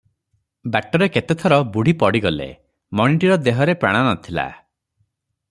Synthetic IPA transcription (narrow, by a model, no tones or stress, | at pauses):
baʈɔɾeket̪et̪ʰɔɾɔbuɽ̤ʱipɔɽiɡɔlḛ | mɔɽ̃iɳʈiɾɔd̪eɦɔɾepɾa̰ɽ̃anɔt̪ʰila̰